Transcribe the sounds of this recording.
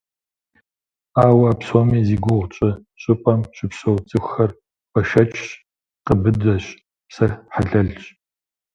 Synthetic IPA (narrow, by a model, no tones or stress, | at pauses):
aːwɐaːpsomiːziːɡʷʊʁʷt͡ʃʼɐ | ɕʼɪpʼɐmɕɪpɕowt͡sʼɨxʷxɐr | pʰɐʃɐt͡ʃʼɕ | qəbɨdɐɕ | psɐrħaɮɐɮɕʼ